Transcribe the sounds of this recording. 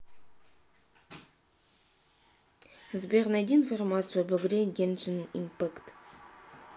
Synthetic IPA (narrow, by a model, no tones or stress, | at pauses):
zbʲeʁnad̪ʲinformat̪sɨjabɵɡʲɪɾʲeŋɡʲenʒɨnḭmpakt̪